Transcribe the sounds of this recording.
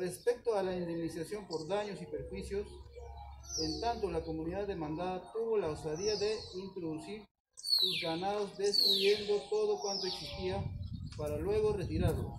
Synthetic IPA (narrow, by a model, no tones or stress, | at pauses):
re̞spe̞k̚t̪oalaind̪emnisasjo̞mpo̞ɾðaɲo̞sipe̞ɾxwisjo̞s | ent̪ant̪olako̞muniðaðemãnd̪aðat̪uβo̞laosaðiaðe̞int̪ɾoðusiɾ | suzɣanaðozd̪e̞st̪ɾuje̞nd̪ot̪o̞ðokwant̪oeksist̪iapaɾalwe̞ɣ̞o̞re̞t̪iɾaɾlo̰s